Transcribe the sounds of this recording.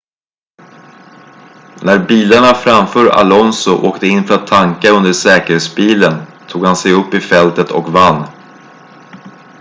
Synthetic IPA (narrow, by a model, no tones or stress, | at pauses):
næɾbiːlaɳafɾamfœːɾa̰lɔnsʊʔoːkt̪əɪnːfœɾat̪ʰːaŋkaɵnd̪əʂɛːkəɾheːt̪sbiːlənt̪ʰuːɡhansɛjɵpːɪfɛlt̪ət̪ʰɔ̰kvanː